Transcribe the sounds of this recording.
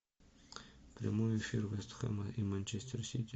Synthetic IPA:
pɾʲa̰mojefʲirvɛst̪xɐ̰mɐʔimanʲt͡ʃesʲt̪ʲʰersʲit̪ʲ

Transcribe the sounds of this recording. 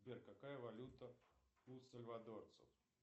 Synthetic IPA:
bʲerkakajəvalʲut̪əusəlʲvad̪ort̪sə̰f

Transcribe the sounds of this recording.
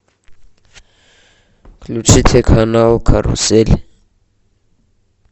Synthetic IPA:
kʰlut͡ʃʰit̪ʰekʰhanawkʰarṵsɛl

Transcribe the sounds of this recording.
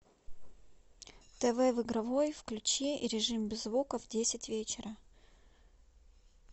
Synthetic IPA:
t̪ɛvɛvɨɡɾɐvo̞jfklʲʉt͡ɕeʔiɾʲɪʐɨmbʲɪzvukəvdʲesʲɪtʲvʲet͡ɕɪɾʔə

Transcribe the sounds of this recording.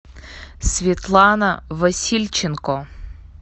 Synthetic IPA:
sʲvʲit̪lˠɑnɐʋɐsʲilʲt͡ʃɪnkɔ

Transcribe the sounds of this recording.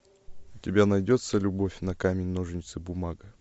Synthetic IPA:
ʊtʲɪbʲanɐjdʲo̞t̪səlʲʊbo̞fʲnɐkamʲɪnʲnoʐɨnʲɪt̪sɨbʊmaɡə

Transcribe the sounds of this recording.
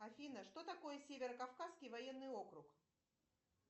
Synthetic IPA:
ɐfʲinəʂt̪o̞t̪ɐko̞jəsʲevʲɪɾəkafkaskʲɪjvɐjenːɨjo̞kɾʊk

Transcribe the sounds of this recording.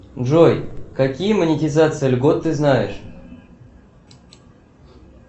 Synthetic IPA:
ʐojkakʲijəmənʲɪtʲɪzat̪sɨjəlʲɡo̞t̪ːɨznajɪʂ

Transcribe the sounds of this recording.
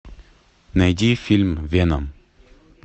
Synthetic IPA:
nɐjdʲifʲilʲmvʲenɐm

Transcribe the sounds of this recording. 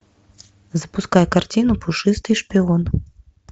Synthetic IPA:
zɐpuskajɛkart͡sʲinupuʂɨst̪ɨʂpʲiɔn

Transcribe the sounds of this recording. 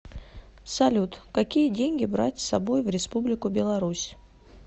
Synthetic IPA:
sɐlʲut̪kɐkʲijədʲenʲɡʲɪbɾa̰tʲsɐbojvɾʲɪspublʲɪkʊbʲɪlˠɐɾusʲ

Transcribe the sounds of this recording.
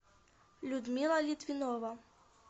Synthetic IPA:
lʲud̪mʲilˠɐlʲit̪vʲinɔvɐ

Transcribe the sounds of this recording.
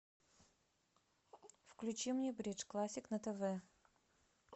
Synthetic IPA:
fklʲʉt͡ɕimnʲebɾʲit͡ʂklˠasʲːɪknət̪ɛvɛ

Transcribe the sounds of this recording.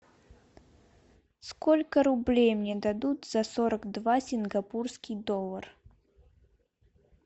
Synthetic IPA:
skɔlʲkəɾublʲejmnʲɛd̪ad̪ut̪z̥ɐsɔɾəɡd̪vasʲinɡapurskʲijd̪ɔlˠɐr

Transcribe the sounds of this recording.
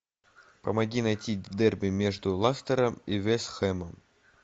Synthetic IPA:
pəmɐɡʲinɐjtʲivd̪ɛrbʲɪmʲe̞ʐd̪ʊlˠast̪əɾəmivʲesxɛməm

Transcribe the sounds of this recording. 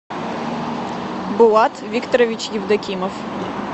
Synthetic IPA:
bʊwˠɑt̪ʋʲikt̪ɔɾɔʋʲit͡ʃjiwd̪ɐkʲimɔw

